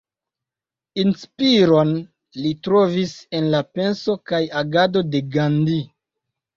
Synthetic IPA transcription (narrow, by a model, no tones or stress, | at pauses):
inspiɾo̞n | litɾo̞vise̞nlape̞nso̞kajaɡado̞de̞ɡandi